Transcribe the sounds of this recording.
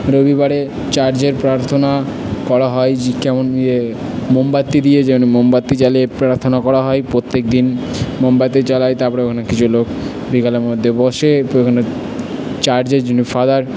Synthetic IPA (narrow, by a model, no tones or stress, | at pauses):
ɾobiβaɾe | t͡ɕaɾd͡ʑeɾpɾaɾt̪ʰona | kɔɾaɦɔed͡ʑikɛmone | mombat̪ːid̪ijed͡ʑɛmonimombat̪ːit͡ɕaliepɾaɾt̪ʰonakɔɾaɦɔjpɾot̪ːek̚d̪inmombat̪̬et͡ɕalajt̪apɔɾaokʰanekit͡ɕʰulok | bikaleɾmod̪ʱːebɔʃeokʰane | t͡ɕaɾd͡ʑeɾd͡ʑonifad̪aɾ